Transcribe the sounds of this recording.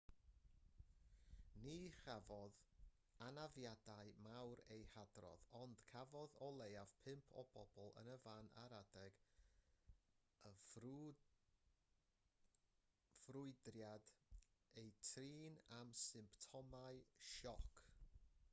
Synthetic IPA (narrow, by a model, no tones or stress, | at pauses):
niχavɔð | anavjadaɨmawɾejhadrɔ̰ðɔnd̥kʰavɔðɔlˠejav̥pʰɪmpʰɔ̰b̥ɔbɔlˠə̰nəvana̰ɾadɛɡ̥ | ə | v̥rʊɨdrjad | ejtʰriːnamsɨmptʰɔmaɨʃɔkʰ